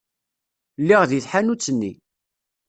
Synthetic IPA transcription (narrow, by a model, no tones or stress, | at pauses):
lːiʁðiθħanut͡sːənːḭ